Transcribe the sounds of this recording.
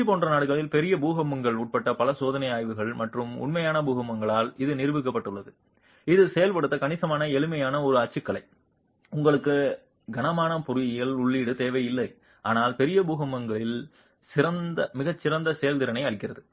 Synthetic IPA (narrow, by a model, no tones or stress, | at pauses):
ipoːndrɐnaːɽɯɣɐɭɪlpɛɾɪjɐbuːɣɐmɐŋɡɐɭuːʈ̚pɐʈːɐpɐlɐsoːðɐnɐɪaːjʋɯɣɐɭmɐʈrɯmʊ̰ɳmɐjaːnɐbuːɣɐmːɐŋɡɐɭaːlɪðɯnɪɾɯʋɯk̬ːɐpːɐʈːɯɭːɐðɯ | ɪðɯsɛjɐlpɐɽɯt̪ːɐkɐnɪsɐmaːnɐɛɭɯmɐjaːnɐɔɾɯɐt͡ʃːɯkːɐɭɐɪ | ʊŋɡɐɭɯkːɯ | ɡɐnɐmaːnɐpʊɾʊjɪjɪlʊɭːiːɽɯt̪eːʋɐɪjɪlːɐɪ | ʔaːnaːlpɛɾɪjɐbuːɣɐmːɐŋɡɐɭɪl | sɪɾɐnd̪ɐmɪɣɐt͡ʃːɪɾɐnd̪ɐsɛjɐlt̪ɪɾɐnɐɪɐɭɪkːɪrɐðɯ